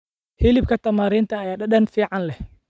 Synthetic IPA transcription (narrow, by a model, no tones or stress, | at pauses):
hilɪb̚kʰɐt̪ʰɐmaːɾɪːnt̪ʰɐːjaːɗɐɗɐnfiːʕɑnlɛh